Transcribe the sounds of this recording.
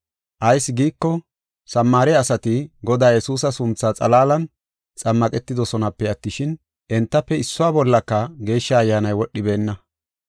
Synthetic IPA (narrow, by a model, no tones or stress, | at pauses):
ʔɐjsːɡiːkːɔ | sɐmːaːɾɛɐsɐt̪ɪɡɔd̪aːjɛsuːs̬ɐsʊmt͡sːaːt͡sʼɐlaːlɐn | t͡sʼɐmːɐkʼɛt̪ːɪd̪ɔsɔnɐpːɛɐt̪ːɪʃɪn | ʔɛnt̪ːɐpːɛɪsːʊwaːbɔlːɐkːɐɡe̞ːʃːɐːjːaːnɐjwɔɗːɪbe̞ːnːɐ